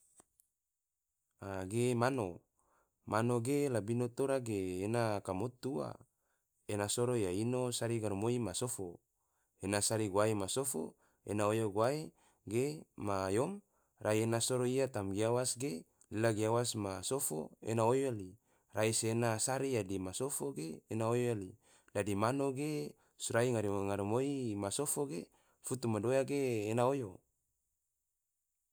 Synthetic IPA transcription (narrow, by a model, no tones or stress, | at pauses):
aɡemano | manoɡelabinot̪oɾaɡeːnakamot̪ua̰ | enasoɾojainosaɾiɡaɾumoimasofo | enasaɾiɡwaemasofo̰ | ḛnaojoɡoae | ɡemajom | rʔaienasoɾoijat̪amɡiawasɡe | lilaɡiawasmasofo̰ḛnaojoli | raisenasaɾijadimasofoɡeːnaojoali | dadimanoɡe | suɾaiŋaɾiŋaɾimoimasofoɡe | fut̪umadojaɡeːnaojo